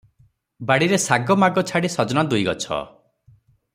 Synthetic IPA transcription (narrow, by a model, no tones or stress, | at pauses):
baɽiɾesaɡɔmaɡɔt͡ʃʰaɽisɔd͡ʒɔnad̪ujɡɔt͡ʃʰɔ̰